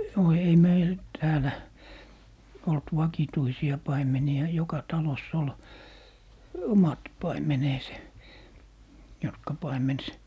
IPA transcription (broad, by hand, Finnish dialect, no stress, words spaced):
no ei meil tæːlæ olt ʋɑkituisiɑ pɑimeniɑ jokɑ tɑlosː ol omɑt pɑimeneːse jotkɑ pɑimens